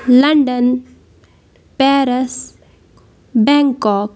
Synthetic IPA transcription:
lɐɳɖən | pɛːɾəs | bɛ̃ːŋkɔːk

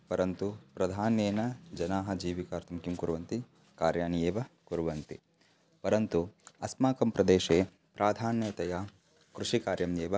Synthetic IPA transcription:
pɐɾɐnt̪upɾɐd̪ʱaːneːnɐd͡ʒɐnaːɦɐd͡ʒiːʋikaːɾt̪ʰɐmkimkuɾʋɐnt̪i | kaːɾjaːnjeːʋɐkuɾuʋɐnt̪ḭ | pɐɾɐnt̪uɐsmaːkɐmpɾɐd̪eːʃeː | pɾaːd̪ʱaːnjeːt̪ɐja | kɾuʂikaːɾjɐmjeːʋɐ

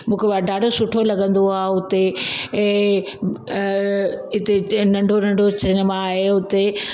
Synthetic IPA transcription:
mũːkʰeʋaɖaːɖʱosʊʈʰolɐɡə̃nd̪oaːɦʊt̪ẽ | ɪt̪enɐ̃ɳɖʱonɐ̃ɳɖʱot͡ɕɾɪnmãaːɦeʊt̪e

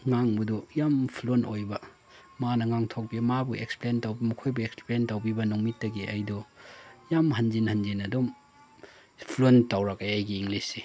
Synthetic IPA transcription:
ŋaŋbɐdujampʰlonojbɐ | manɐŋaŋtʰok̚bimabueksplentawbimɐkʰojbueksplentawbibɐnuŋmitːɐɡiʔɐjdɔjamɦɐnd͡ʒinhɐnd͡ʒinɐdom | pʰlontawɾɐkajajɡiːŋlisːi

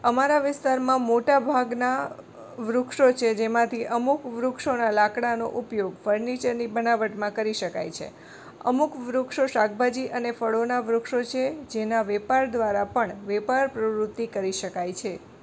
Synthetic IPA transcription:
əmaɾaʋɪst̪aɾmãmoʈabʱaɡna | ʋɾʊkʂot͡ʃʰed͡ʒemãt̪ʰiʔəmukʋɾʊkʃonalakɽano̰ʔupjoɡfəɾnit͡ʃəɾnibənaʋəʈmãkəɾiʃəka̰jt͡ʃʰḛ | ə̰mukʋɾukʃoʃakbad͡ʒiʔənefəɽonaʋɾukʃot͡ʃʰed͡ʒenaʋɛpaɾd̪ʋaɾapəɳʋɛpaɾpɾəʋɾʊt̪ːikəɾiʃəkajt͡ʃʰe

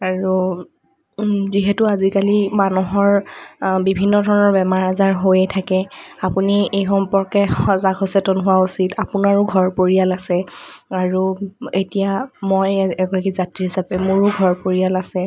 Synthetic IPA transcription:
aɹu | ziɦɛtʊazikalimanuɦɔɹbibʱinːɔdʱɔɹɔnɔɹbɛmaɹazaɹɦojɛtʰakɛapuniejxɔmpɔɹkɛxɔzaɡɦɔsɛtɔnɦʊwausitapʊnaɹʊɡʱɔɹpoɹijalasɛaɹuetijamojɛɡɔɹakizatɹiɦisapɛmʊɹʊɡʱɔɹpoɹijalasɛ

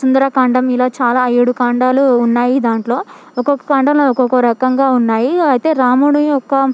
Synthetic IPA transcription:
sund̪ɐɾɐkɐɳɖɐmilaːt͡ʃaːlaːɐjeɽukaːɳɖaːluːnːaːjid̪aːɳʈlo̞ː | ɔkɔkːɐ̥kɐɳɖɐloɔkɔkːɐɾɐkɐŋɡaːunːaːjiɐjt̪e̞ːɾaːmuːɽuɔkːɐ

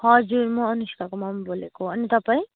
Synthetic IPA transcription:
hʌd͡zuɾmʌ̃ːnuskakomʌmbolekoʌnit̪ʌpãĩ

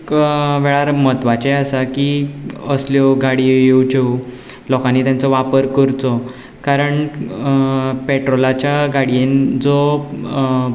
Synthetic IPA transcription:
kʋɛɭaɾmət̪ʋat͡ɕeasakiəsljɔɡaɽijewt͡ɕew | lɔkanit̪jãnt͡sɔʋapəɾkəɾt͡sɔ | kaɾəɳ | peʈɾɔlat͡ɕjaɡaɽiend͡zɔ

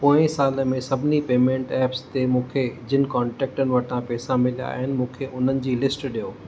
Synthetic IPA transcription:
põːɪ̃saːləmẽsɐbʱɪnipeːmẽːɳʈɛːpst̪emũːkʰed͡ʑɪnɪ̆kaːɳʈɛːk̚ʈənɪ̆ʋɐʈʰãpɛːsãmɪlija̰ɦɪnɪ̆mũːkʰeʔʊn̤ənɪ̆d͡ʑiːlɪsʈɗijoː

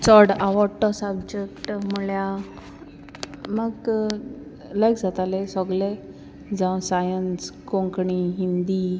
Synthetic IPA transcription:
t͡sɔɽaʋɔɽʈɔsəb̚d͡ʑek̚ʈmuɭja | məɡ | ləjkd͡zat̪alesɔɡle | d͡zãwsajənskõŋkɳiɦind̪i

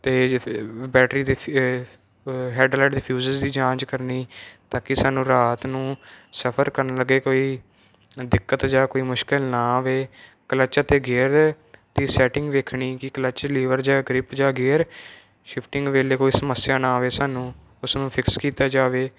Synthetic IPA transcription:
t̪eːbɛːʈɾiːd̪iː | ɦɛːɖlaːʈd̪iːpʰjuːzəzd̪iːd͡ʒãːt͡ʃkəɾniːt̪ãːkɪsaːnũːɾaːt̪nũːsəpʰəɾkəɾnləɡeːkoːiː | d̪ɪkːət̪d͡ʒaːkoːiːmʊʃkɪlnãːʋeːkələt͡ʃːt̪eːɡeːɾ | t̪iːsɛːʈɪ̃ŋɡʋeːkʰɳiːkɪkələt͡ʃliːʋəɾd͡ʒaːɡɾɪpd͡ʒaːɡeːɾ | ʃɪpʰʈɪ̃ŋɡʋeːleːkoːiːsəməsːjaːnaːʋeːsaːnũː | ʊsnũːpʰɪkskiːt̪aːd͡ʒaːʋeː

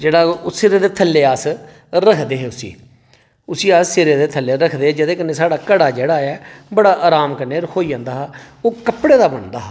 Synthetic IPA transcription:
d͡ʒeːɽaːsɪɾeːd̪eːt̪ʰəlːeːaːs | ɾəkʰd̪eːɦeːʊsḭː | ʊsiːaːssɪɾeːd̪eːt̪ʰəlːeːɾəkʰd̪eːɦeːd͡ʒɪd̪eːk̬ənːeːsaːɽaːkəɽaːd͡ʒeːɽaːɛːbəɽaːʔaːɾaːmkəneːɾhoːiːd͡ʒãːnd̪aːɦaː | oːkəpɽeːd̪aːbəɳd̪a̰ː

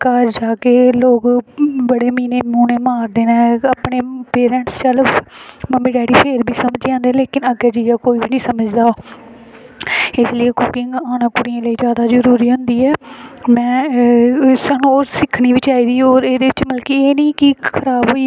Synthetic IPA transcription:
kaːɾd͡ʒaːkeːloːɡbəɽeːmĩːneːmuːneːmaːɾd̪eːnãːaːpɳeːpeːɾɛ̃ɳʈst͡ʃəlməmiːɖɛːɽiːpʰeːɾbʱiːsəməd͡ʒãːnd̪eːleːkɪnəɡɛːd͡ʒijaːkoːiːbiːnĩːsəməd͡ʒd̪aː | ɪsləjeːkʊkɪŋɡaːnãːkʊɽɪjãːləiːzjaːd̪aːzəɾuːɾiːɦʊ̃nd̪iːɛːmɛ̃ː | saːnũːoːɾsɪkʰniːʋit͡ʃaːiːd̪iːoːɾeːd̪eːʋɪt͡ʃməlkieːnĩːkikʰəɾaːbɦoːiː

